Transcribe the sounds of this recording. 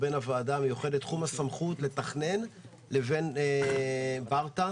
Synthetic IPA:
benavaːdamejuχedet̪ːχumasamχutle̞t̪aχne̞n | le̞ve̞n | baʁta

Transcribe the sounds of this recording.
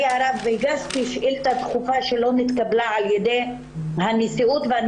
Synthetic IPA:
aɾavbejɡaspiʃʔilt̪at̪χufaʃelo̞mit̪kablaʕaljed̪ej | hanisiut̪vean

